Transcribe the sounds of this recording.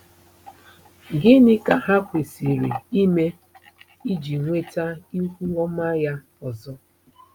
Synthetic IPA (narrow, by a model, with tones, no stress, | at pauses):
ɡɪ˦nɪ˦ka˨ɦa˦kʷe˨si˨ɾḭ˨i˦me˦ | i˦d͡ʒi˨ŋʷe˦ta˦i˦kʷu˦ɔ˦ma˦ja˦ | ɔ˨zɔ˦